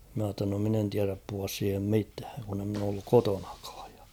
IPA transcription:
mɑ tːɑ no min en tiæræp puhuɑs siːhem mitæːŋ kun e mn oː olːuk koton̥ɑ̥kɑ̥ːj̊ j̊ɑ̥

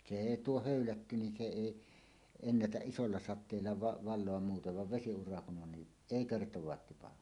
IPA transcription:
se eˑi tuo høˑylætːy nin se eˑi enːætæʔ ʔisolːɑ sɑtˑeːlːɑ ʋɑ ʋɑlˑoɑm muːteʋ ʋɑʋ ʋesiurɑ kun ʔon ni eˑi kertowɑːt tipɑhɑ

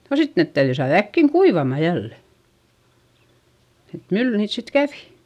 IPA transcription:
no sit net tæyðyi sɑːð ækːiŋ kuiʋɑmɑ jælːe et mylːy niːt sit kæʋi

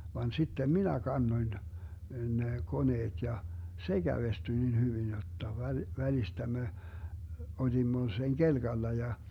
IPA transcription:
ʋɑn sitːem minæ kɑnːoĭn ne koneːt jɑ se ɡ̊æʋestyĭ nin hyʋin jotːɑ ʋæl ʋælistæ me olimːo seŋ ɡ̊elɡ̊ɑlːɑ jɑ

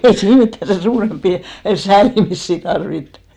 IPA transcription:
ei siːn mitːæ sen suːrempːi sæːlimisːi tɑrʋitːu̥

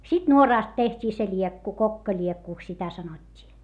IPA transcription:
sit nuorɑˑst tehtʲiː se lʲiekːu kokːɑlʲiekːuˑks sitæ sɑnotʲːiː

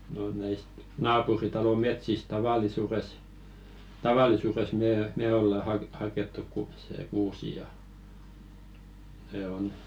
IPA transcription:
no næist nɑːpuritɑlo metsist tɑʋɑlˑisures tɑʋɑlˑisures meː me olːɑ hɑk hɑketːu ku se kuːsi jɑ ne on

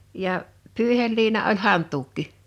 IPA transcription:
jɑ pyˑihelːiːnɑ olʲ hɑntˑuːkːi

